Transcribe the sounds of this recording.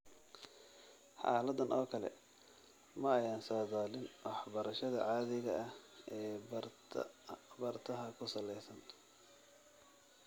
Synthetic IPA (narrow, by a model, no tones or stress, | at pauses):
ħɑ̰ːlɐd̪ɐnʔɔːkʰɐlɛ̰ | mɐːjaːnsɐːðaːlɪnwɑħbɐɾɐʃɐðɐ̰ʕɑːðɪɣɐʔɐhɛː | bɐrt̪ʰɐɦɐkʰʊsɐlɛjsɐn